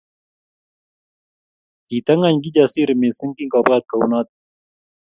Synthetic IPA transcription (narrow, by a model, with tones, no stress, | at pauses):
i˨t̪a˦ŋa˦˨ɲɡi˦d͡ʒa˨si˦ɾmi˨sə˦ŋki˦ŋkɔ˨ba˦t̪̚ka˨wna˦t̪̚